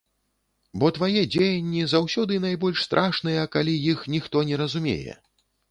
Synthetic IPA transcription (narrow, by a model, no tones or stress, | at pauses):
bɔt̪vajɛd͡zʲejɐnʲːizawsʲɔd̪ɨnajbɔlʲʂst̪ɾʔaʂnɐjɐkalʲijixnʲixt̪ɔnʲɛɾɐzumʲḛjɛ̰